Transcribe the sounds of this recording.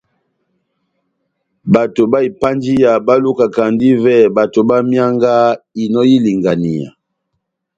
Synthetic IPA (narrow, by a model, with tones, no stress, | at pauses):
ba˨to˨ba˦i˨pa˦nd͡ʒi˦ja˨ba˦lu˦ka˨ka˨ndi˦vɛ˦˨ba˨to˨ba˦mja˦ŋɡa˦i˨nɔ˦ji˦li˨ŋɡa˨ni˨ja̰˨